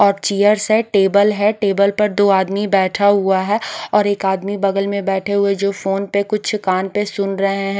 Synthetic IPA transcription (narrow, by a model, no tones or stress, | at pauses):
ɔːɾt͡ʃiːjəɾseʈeːbəlɦɛʈeːbəlpɐɾd̪oːaːd̪mibɛːʈʰaɦʊaɦɛɔːɾeːkaːd̪mibɐɡəlmẽbɛːʈʰeɦʊed͡ʒoːfoːnpekʊt͡ʃʰkaːnpesʊnɾɐɦeɦɛ̃